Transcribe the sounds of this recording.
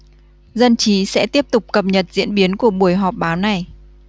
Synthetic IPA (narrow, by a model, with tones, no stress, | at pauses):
zə˧nt͡ɕi˨˦sɛ̰˧˥t̪i˦˥əp̚t̪ʊ˨˩k͡p̚kə˨˩p̚ɲə˨˩t̚zḭ˧˥ənɓi˨˦ənku˧˩əɓu˧˩əjɦɔ˨˩p̚ɓaː˨˦wna˨˩j